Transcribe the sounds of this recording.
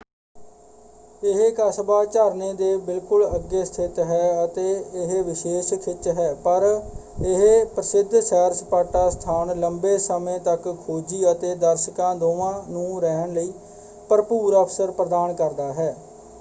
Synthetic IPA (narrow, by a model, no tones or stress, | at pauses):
ɪɦkəsbaːt͡ʃaːɾnẽːd̪eːbɪlkʊləɡːeːst̪ʰɪt̪ɦɛːət̪eːɪɦʋɪʃeːʃkʰɪt͡ʃɦɛːpəɾɪɦpɾəsɪd̪ʱsɛːɾspaːʈaːst̪ʰaːnləmbeːsəmẽːt̪əkʰːoːd͡ʒiːət̪eːd̪əɾʃəkãːd̪oːʋãːnũːɾɛɦəɳləiː | pəɾpuːɾaːpʰsəɾpɾəd̪aːnkəɾd̪aːɦɛː